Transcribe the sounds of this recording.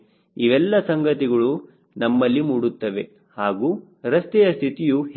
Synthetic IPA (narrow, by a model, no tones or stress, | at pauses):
iʋɛlːɐsɐŋɡɐt̪iɡɐɭu | nɐmːɐlːimuːɽut̪ːɐʋe̞ | haːɡuː | ɾɐst̪ɛjɐst̪ʰit̪iju